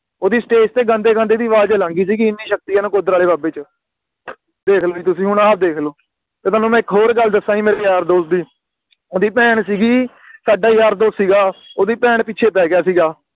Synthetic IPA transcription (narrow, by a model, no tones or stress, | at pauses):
oːd̪iːsʈeːst̪eːɡə̃nd̪eːɡə̃ːnd̪eːd̪iːʋaːd͡ʒelãːŋɡiːs̬iːɡiɪnːiːʃək̚t̪ijaːnũːkoːd̪əɾaːleːbaːbeːt͡ʃ | d̪eːkʰloːd͡ʒiːt̪ʊsĩːɦʊɳaːp̚d̪eːkʰloː | t̪eːʊaːnũːmɛ̃ːɪkɦoːɾɡəld̪əsːaːiːmeːɾeːjaːɾd̪oːsd̪iː | oːd̪iːpɛːɳsiːɡiː | saːɖaːjaːɾd̪oːssiːɡaːoːd̪iːpɛːɳpɪːt͡ʃʰeːpɛːɡɪjaːsiːɡaː